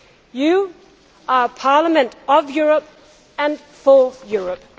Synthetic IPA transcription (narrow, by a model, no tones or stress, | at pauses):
ju | ʔəpʰɑləmə̃ntɔvjuɹəp̚ | ə̃n | fɔjuɹəp̚